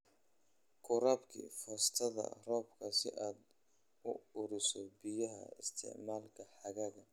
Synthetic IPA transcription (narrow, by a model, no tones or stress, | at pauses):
kʰʊɾaːbkʰḭfɐst̪ʰɐðɐ̰rɔːbkʰɐsɪ̰ʔaːd̪ | ʊʊɾɪsɔbɪjɐɦɐ̰ɪst̪ʰɪ̰ʕmaːlkʰɐħɑɣɐɣɐ